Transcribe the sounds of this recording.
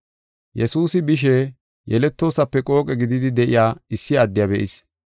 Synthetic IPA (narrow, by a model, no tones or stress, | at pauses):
jɛsuːsɪbɪʃ̬eː | jɛlɛt̪ːo̞ːsɐpːɛkʼo̞ːkʼɛɡɪd̪ɪd̪ɪd̪ɛʔɪjaːɪsːɪjaːd̪ːɪjabɛʔɪ̰s